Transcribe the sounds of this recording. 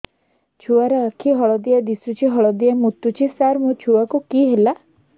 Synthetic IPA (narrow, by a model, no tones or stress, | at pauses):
t͡ʃʰuaɾɔakʰiɦɔɭɔd̪iad̪isut͡ʃʰiɦɔɭɔd̪iamut̪ːut͡ʃʰisaɾmũt͡ʃʰuakukiɦela